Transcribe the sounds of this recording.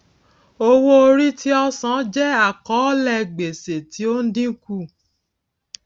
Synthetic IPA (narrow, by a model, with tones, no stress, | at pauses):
o˧wo˦o˧ɾi˦ti˦ɔ˦sã˨˦d͡ʒɛ˦a˦˨kɔ˨˦lɛ˦˧˨ɡ͡be˨se˨ti˨˦o˦n̩˦dĩ˦ku˦˨